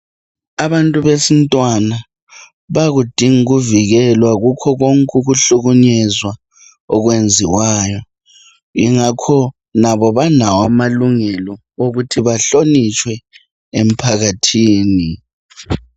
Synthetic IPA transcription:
aβantʼuβesintʼwana | βaɣud̥ʱiŋiɣuviɣɛlwaɣukʰɔɣoŋkʼuɣuɬuɣuɲɛzwa | ɔɣwend͡zʱiwaːjɔ | ḭŋakʰɔ | naβɔβanawamaluŋɛlɔ | oɣutʰiβaɬonit͡ʃʼwɛ | em̩pʰaɣatʰiːni

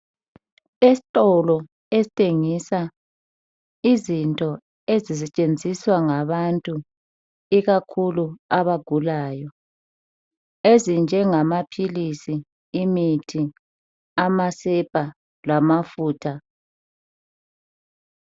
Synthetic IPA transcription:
esi̥tʼɔlɔ | ezitʰʼeŋisa | izintʼɔ | ezisɛt͡ʃʼend͡zʱiswaŋaβantʼu | iɣakʰuluaβaɡ̥ʱulaːjɔ | ezind͡ʒʱɛŋamapʰilisiː | mitʰi | amasɛpʼa | lamafuːtʰa

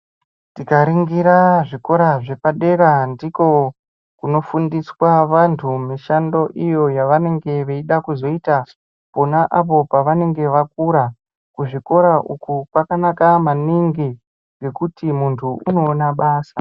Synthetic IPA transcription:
tikaɾiŋɡiɾaʐiko̞ɾaʐe̞paɗe̞ɾandiko̞ | kuno̞fundiswaʋantʰumiʃando̞ʔijo̞jaʋane̞ŋɡe̞ʋeiɗakuzo̞ita | po̞naʔapo̞paʋane̞ŋɡe̞ʋak̚uɾa | kuʐiko̞ɾaʔukupakanakamaniŋɡi | ŋɡe̞kutimuntʰuuno̞ːnaɓaːsa

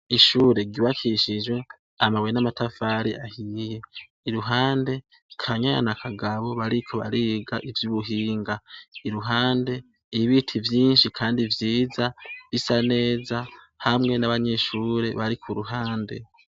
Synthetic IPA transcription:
iʃuɾe̞ɡiβakʰiʃid͡ʒwe̞ | amaβwenamatʰafaːɾiahije̞ | iɾuɦaːnde̞ | kʰaɲaa̰nakʰaɡaβo̞βaɾikʰo̞βa̰ɾiɡaʔivjuβuɦiːŋɡaiɾuɦaːnde̞ | iβitʰivjiːnʃikʰaːndivjiːzaβisane̞ːza | hamŋe̞naβaɲe̞ʃuːɾe̞βaɾikʰuɾuɦaːnde̞̰

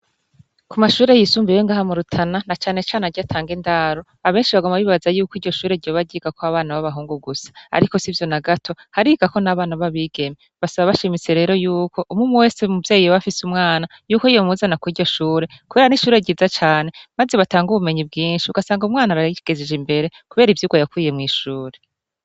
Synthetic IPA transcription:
kʰumaʃuːɾe̞jisuːmbijoŋɡaːhamuɾutʰananat͡ʃaːne̞t͡ʃaːneaɾɟatʰaːŋɡindaɾo | aβe̞ːnʃiβaɡomaβiːβazajuːkiːɾɟo̞ʃuːɾe̞ɾɟoβaɾɟiːɡakoaβaːnaβaβaɦuːŋɡuɡusḁa̰ɾiko̞sivjo̞naɡatʰo̞haɾiɡako̞naβaːnaβaβiːɡe̞meβasaβaβaʃimit͡se̞ɾe̞ːɾo̞juːkʰo̞ʔumŋumuwe̞ːsemuvje̞ːijoβafisumŋaːnajuːkoijomuzanakwiːɟɟo̞ʃuːɾe̞kuβeɾaniʃuːɾe̞ɾɟiːzat͡ʃaːne̞mazeβataːŋɡuβume̞ɲib̚ɡiːnʃiuɡasaːŋɡumŋaːnaɾaɡ̥ezed͡ʒimbe̞ɾe̞kuβe̞ːɾivjuɡajakwiːjemŋiːʃuːɾe̞

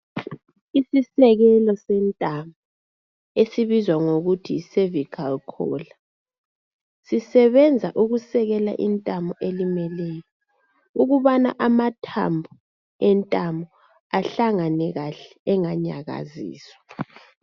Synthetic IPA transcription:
isisɛɣɛlɔsɛntʼambɔ | esiβizwaŋoɣutʰisevikʰalkʰɔ̰ːla | sisɛβɛnd͡zʱaʔuɣusɛɣɛla̰ʔḭntʼambɔʔelimɛlɛːjɔ | uɣuβana̰ʔamatʰa̰mbʱu | ɛntʼambɔ | aɬaŋanɛɣaɬɛːŋaɲa̰ɣa̰zḭːswḁ

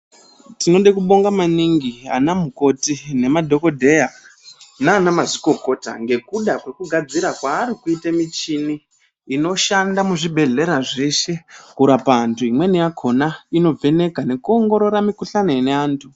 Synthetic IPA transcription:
tino̞ɗekuɓo̞ŋɡamaniŋɡia̰namuko̞tine̞madʱo̞ko̞dʱe̞ja | naːnamaziko̞ko̞ta̰ŋɡe̞kuɗakwe̞kuɡʱad͡ziɾakwaːɾikuitamit͡ʃiniː | no̞ʃandamuʐibʱe̞ɮe̞ɾaʐe̞ʃe̞kuɾapaːntʰuimwe̞nijakʰo̞naino̞b͡ve̞ne̞kane̞kuo̞ŋɡo̞ɾo̞ɾamikuɬanoeneaːntʰu

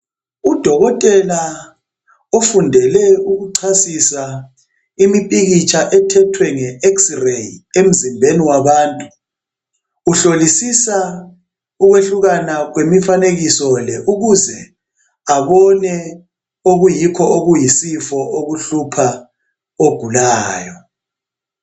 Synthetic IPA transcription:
ud̥ʱɔɣɔtʼɛla | ofundʱɛlɛuɣuǀʰasisa | imipʼiɣit͡ʃʰʼaʔɛtʰɛtʰwɛŋɛeksrejem̩zimbʱeniwaβaːntʼu | ɬolisisa | uɣweɬuɣanaɣwemifaneɣisɔlɛʔuɣuzɛ | aβɔnɛ | oɣujikʰɔoɣujisifɔʔoɣuɬupʰa | oɡ̥ʱulaːjɔ

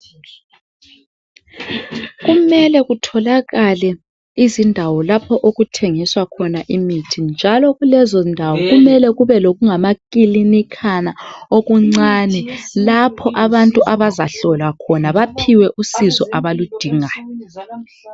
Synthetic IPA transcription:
ɣumɛlɛɣutʰɔlaɣalɛ | izindʱawɔlapʰɔʔoɣutʰeŋiswakʰɔnaʔimitʰind͡ʒʱalɔɣulɛzɔndʱawɔɣumɛlɛɣuβɛloɣuŋamakʼilinikʰanaoɣuŋ͡ǀanɛlapʰɔʔaβantʼuʔaβazaɬɔlwakʰɔnaβapʰiwɛʔusizɔʔaβalud̥ʱiːŋajɔ

